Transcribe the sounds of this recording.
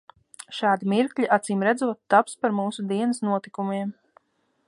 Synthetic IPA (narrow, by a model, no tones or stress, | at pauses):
ʃɑːd̪imiɾkʎʲiʔat̪siːmɾæd̪zuɔt̪ːapspaɾmuːsud̪iɛnɐsnuɔt̪ikumiɛm